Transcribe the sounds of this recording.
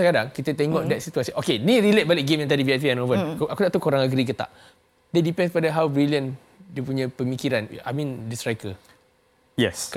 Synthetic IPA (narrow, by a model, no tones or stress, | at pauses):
akadaŋkit̪ət̪ɛŋɔʔdɛt̪̚sit̪uasiʔokenĩɾilet̪̚balɪk̚ɡemjãŋt̪adiviat̪̬iɛnovənkʔakut̪aʔt̪ukoɾaŋaɡɾikət̪a̰ʔ | dɛt̚dipɛ̃nspadaɦawbɾiliə̃n | diəpuɲãpəmikiɾana̰mĩndisɾajkə | jɛsk